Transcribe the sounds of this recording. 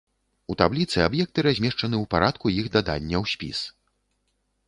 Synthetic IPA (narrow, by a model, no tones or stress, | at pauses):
ut̪ablʲit̪sɨabjɛk̚t̪ɨɾazʲmʲɛʂt͡ʂɐnɨuwpaɾat̪kujixd̪ad̪a̰nʲːɐwsʲpʲḭs